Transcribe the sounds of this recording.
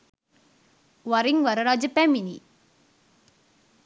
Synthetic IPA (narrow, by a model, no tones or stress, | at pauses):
ʋɐɾiŋʋɐɾɐɾaːd͡ʒɐpɛminḭ